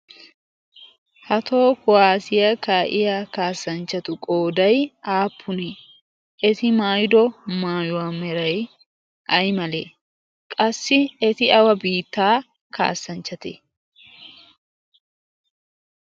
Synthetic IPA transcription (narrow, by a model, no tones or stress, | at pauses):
hɐt̪ʰo̞ːkʊwaːsɪjɐkaːʔɪjaːkaːsːɐnt͡ʃːɐt̪ʊkʼo̞ːd̪ɐjaːpʰːʊnɛ | ʔɛt̪ɪmaːjd̪ɔmaːjʊwaːmɛɾɐj | ʔɐjmɐlḛː | kʼɐsːɪɛt̪ɪɐwɐbiːt̪ːaː | ka̰ːsːɐnt͡ʃːɐt̪ɛ̰